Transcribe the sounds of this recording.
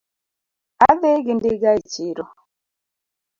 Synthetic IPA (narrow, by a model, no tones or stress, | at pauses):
aðeɡindiɡait͡ʃiɾɔ